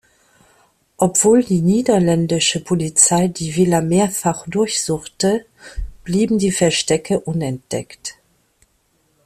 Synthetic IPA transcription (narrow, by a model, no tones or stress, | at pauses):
ʔɔpv̥oːldiːniːdɐlɛndɪʃəpʰolit͡saɪdiːvɪlɐmeːɐfaχd̥ʊɐçz̥ʊχtə | b̥liːbm̩diːfɛɐʃtɛkʰəʔʊnɛnt̚d̥ɛ̰kt